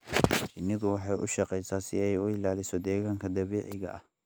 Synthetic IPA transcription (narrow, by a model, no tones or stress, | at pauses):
t͡ʃɪnːɪðʊwɑħɑjʔʊ̰ʃɑqɛjsaːsɪ̰ɛjʊɪlaːlɪsɔd̪ɛːɣaːŋkʰɐd̪ɐβɛːʕɪɣɐ̰ʔɐh